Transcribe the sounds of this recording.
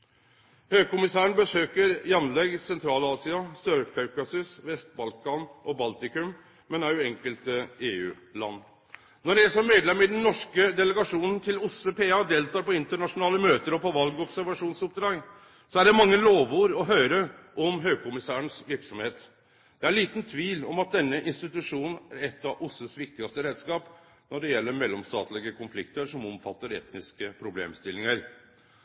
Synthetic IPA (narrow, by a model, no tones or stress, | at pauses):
høːɡkʊmɪsæːəɳ̩bəsøːkəɾjɑnlɛɡsɛnt̪ʰɾɑːlɑːsɪɑst̪œɾkʰɑʉkɑsʏsʋɛst̪̚bɑlkɑnʔɔbɑlt̪ɪkʉm | mɛnæɾʉɛŋkəlt̪əeːʉ̰ː | lɑ̰nː | ɔɖæsɔmmːeːd̪lɛmːəɪd̪nnɔʂkəd̪ɛləɡɑʂuːnən̩t̪ʰɪlʊsəpʰeːɑd̪eːlt̪ɑːɾpɔɪnt̪əɳɑʂʊnɑːləmøːt̪əɾɔpʰɔʋɑlɡɔpsæɾʋɑʂuːnsʊp̚d̪ɾɑːɡ | sɔæɖɛmɑŋːəloːʋuːɾɔɦœʏɾəʔɔmɦøːɡ̚kʊmɪsæːəɳsʋɪɾksɔmheːt̪ | d̪̥ɛæɭiːt̪nt̪ʰʋiːlɔmɑt̪̚d̪ɛnːəʔɪnst̪ɪt̪ʉʂuːnn̩æɾɛt̪ːɑʔʊsəsʋɪk̚t̪ɪɑst̪əɾeːd̪skɑːp | nɔɖɛjɛlːəɾmɛlːɔmst̪ɑ̰ːt̪lɪɡəkʰʊnflɪkt̪əɾʂɔmɔmfɑt̪ːəɾɛ̰t̪nɪskəpʰɾʊblḛːmst̪ɪlːɪŋəɾ